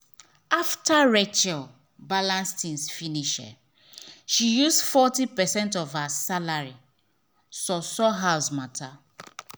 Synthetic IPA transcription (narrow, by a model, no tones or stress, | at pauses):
aftaɹɛt͡ʃɛl | balãnstĩnsfiniʃɛ̰ | ʃijusdfɔtipɛsɛ̃ntɔvhasalaɹi | sɔsɔɦasmatʰa